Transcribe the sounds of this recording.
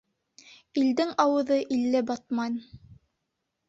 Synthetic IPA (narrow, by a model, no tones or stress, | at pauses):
ild̪ɘŋɑwɤ̆ðɤʔilːɘbɑt̪̚mɑn